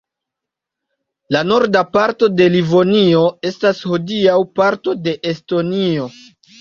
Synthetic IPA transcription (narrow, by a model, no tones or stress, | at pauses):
lano̞ɾdapaɾto̞de̞livo̞nio̞e̞stashodiawpaɾto̞de̞ʔesto̞nio̞